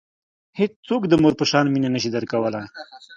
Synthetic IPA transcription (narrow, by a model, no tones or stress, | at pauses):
het͡st͡sokd̪əmoɾpəʃɑnminanəʃ̬id̪əɾkawəla